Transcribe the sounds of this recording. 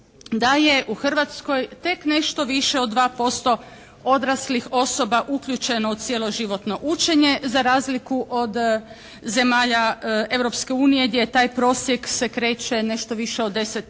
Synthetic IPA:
d̪aje̞ʔuxr̩ʋat̪sko̞jt̪e̞kne̞ʃt̪o̞ʋiʃe̞od̪ːʋaːpo̞st̪o̞ | o̞d̪ɾaslixo̞so̞baʔukʎʲut͡ʃe̞noosjelˠo̞ʒiʋo̞t̪no̞ʔut͡ʃe̞ɲe̞zaɾaːzlikuʔod̪ | ze̞maːʎae̞ʋɾo̞pske̞uːnije̞ɡd̪ʲjet̪aːjpɾo̞ːsje̞kse̞kɾe̞ːt͡ʃe̞ne̞ʃt̪o̞ʋiʃeod̪ːe̞set̪

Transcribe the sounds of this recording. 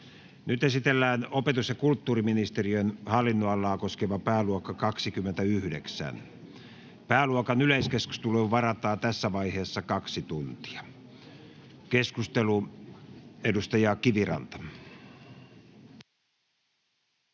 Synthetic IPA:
nyt̪esit̪elːæːnopet̪usjɑkult̪ːuːriminist̪eriønhɑlːinːoɑlːɑːkoskeʋɑpæːluokːɑkɑksikymːent̪æyhdḛksæ̰n | pæːluokɑnyleiskesku̥st̪uleʋɑrɑt̪ɑːt̪æsːæʋɑiheːsːɑkɑksit̪unt̪i̥ɑ̥ | keskust̪elu | edust̪ɑjɑːkiʋirɑ̰nt̪ɑ̥

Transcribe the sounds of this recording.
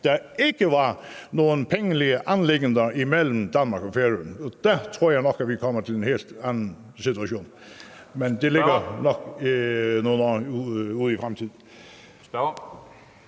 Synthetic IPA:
d̪̥ɑɪɡəʋɑnoːənpʰɛŋːəlɪəʔɑnlɪɡənd̪əɪmɛlːm̩d̪ɑnmɑɾkɔfeːɾʉn̩ɔd̪̥æt̪ʰɾuːjæɪnɔkːæt̪ʋɪkʰɔmːət̪ʰɪlɛnheːlt̪ænən̩ | sɪt̪ʉɑʃuːn | mɛnd̪ɛlɪɡənɔk | noːənoːuːðɪfʁæmt̪ʰiːd̪n̩

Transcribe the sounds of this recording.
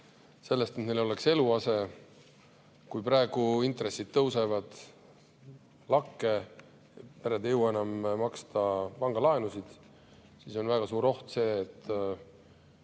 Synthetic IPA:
se̞lːest̪et̪nejlo̞le̞kse̞luɑse̞ | kujprɑeɡ̥uint̪re̞sːid̪̥̚t̪ːɤwse̞vɑd̪̥ | lɑkːe̞ | pæɾed̪ejəwɑenɑmmɑkst̪ɑpɑŋɡ̥ɑlɑenusid̪̥ | siso̞nvæɡ̥ɑsuːɾo̞ht̪se̞ːt̪ːˑ

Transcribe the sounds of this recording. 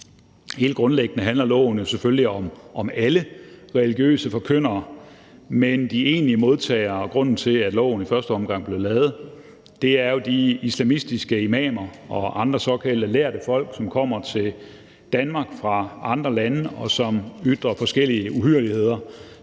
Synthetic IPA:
he̝̰ːld̥̚ɡ̥ʁɔ̽nleɡ̥ənəɦænlɐlɔ̰̽ʊ̰n̩osefølliɒ̽mʔɒ̽mæləʁɛliɡ̥jø̰ːsəfɒ̽kʰøn̰ɐː | mend̥ie̝ːnliəmo̝ð̞ˠt͡sʰɛ̰ːɪɐɡ̥ʁɔ̽n̰n̩t͡sʰe̝læd̥lɔ̽ʊ̰n̩ifɶɐsd̥əɒ̽mɡ̥ɑ̈ŋ̰b̥le̝ɐlɛːð̩ˠ | d̥e̝æɐjo̝d̥iislæmisd̥isɡ̥əemɛ̰ːmɐɒ̽ʔɑ̈nd̥ʁɐsɒ̽kʰæl̰d̥əlæɐd̥əfɒ̽l̰ɡ̥sɒ̽mkʰɒ̽m̰ɐt͡sʰe̝l | d̥ænmɑ̈ːɡ̥fʁɑ̈ʔɑ̈nd̥ʁɐlænəɒ̽sɒ̽myd̥ʁɐfɒ̽sɡ̥el̰iəʔuhyɐlihe̝ð̞̰ˠɐ

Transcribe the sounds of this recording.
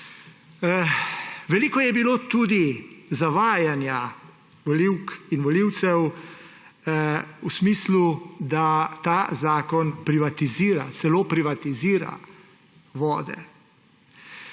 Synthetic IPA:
ʋɛliːkɔjɛbiloːt̪uːd̪izaʋaːjanja | ʋɔliwkinʋɔliːwt̪sɛw | usmiːslud̪at̪aːzaːkɔnpɾiʋat̪iziːɾa̰t̪sɛloːpɾiʋat̪iziːɾa̰ | ʋɔːd̪ɛ̰

